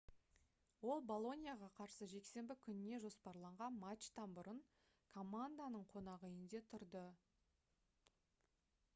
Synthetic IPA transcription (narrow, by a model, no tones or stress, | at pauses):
wo̞lˠbo̞lˠo̞nʲijaʁɑqʰɑɾsəʒe̞kse̞mbɪkʲʰʏnɪne̞ʒo̞spɑɾlˠɑɴʁɑnmat͡ʃt̪ɑnbʊɾəɴ | kʰo̞mand̪anəɴqʰo̞nɑʁəjɪnd̪e̞t̪ʰʊɾd̪ə